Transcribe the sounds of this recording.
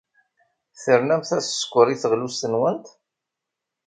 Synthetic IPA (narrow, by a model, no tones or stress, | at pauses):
θəɾnæmθæsskʷːəɾˤiθəʁlusənwənt̪